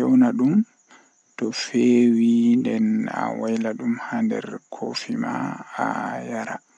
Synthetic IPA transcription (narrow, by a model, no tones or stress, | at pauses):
ɛwnaɗum | tɔfewindɛna̰wajlaɗumhandɛ̰ɾkʰofimaajaɾa